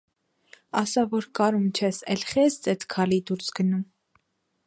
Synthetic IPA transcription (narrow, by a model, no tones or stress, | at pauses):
ɑsɑvɔɾkɑɾumt͡ʃʰɛsɛlχɛst͡sɛt̪ʰkʰɑlid̪uɾsɡənum